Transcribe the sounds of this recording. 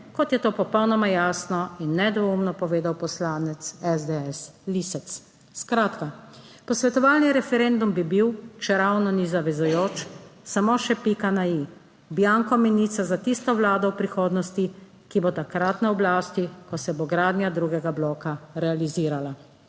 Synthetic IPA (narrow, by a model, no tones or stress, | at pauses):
kɔt̪jɛt̪oːpɔpɔwnɔmajaːsnɔinːɛd̪ʋomnɔpɔʋeːd̪awpɔslaːnɛt̪sɛzd̪ɛɛslisɛt̪s | skɾaːt̪ka | pɔsʋɛt̪ɔʋaːlniɾɛfɛɾɛnd̪umbibiwt͡ʃɛɾawnɔnizaʋɛzujoːt͡ʃsamoʃɛpikanai | bjaŋkɔminit̪sazat̪ist̪ɔʋlaːd̪ɔwpɾixoːd̪nɔst̪i | kibot̪akɾat̪naɔblaːst̪ikɔsɛboɡɾaːd̪njad̪ɾuɡɛɡablɔːkaɾɛaliziːɾala